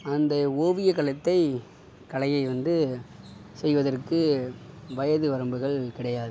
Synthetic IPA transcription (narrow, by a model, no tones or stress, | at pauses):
ɐnd̪ɐoːʋɪjɐkɐɭɐt̪ːɐɪ | kɐlɐjɐɪʋɐnd̪ɯ | sɛjʋɐðɐrkɯ | ʋɐjɐðɯʋɐɾɐmbɯɣɐɭkɪɽɐjaːðɯ